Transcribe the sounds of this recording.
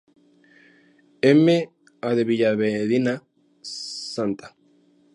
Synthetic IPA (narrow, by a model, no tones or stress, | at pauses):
eme | aðeβiʎaβeðina | sant̪ḁ